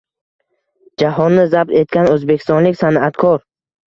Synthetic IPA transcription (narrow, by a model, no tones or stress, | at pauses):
d͡ʒaɦɒnːɪzab̚t̪e̞t̪̚kʲanɵzbekʲʰi̥st̪ɒnlɪkʲsanat̪kʰɒɾ